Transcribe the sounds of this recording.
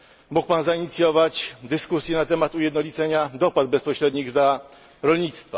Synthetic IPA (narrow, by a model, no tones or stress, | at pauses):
muk̚panzaiɲit̪sʲjɔvat͡ɕd̪ɘskusʲjɛnat̪ɛmat̪ujɛd̪nɔlʲit̪sɛɲad̪ɔpad̪̚bɛspɔɕɾɛd̪ɲiɣd̪la | ɾɔlɲit̪st̪fa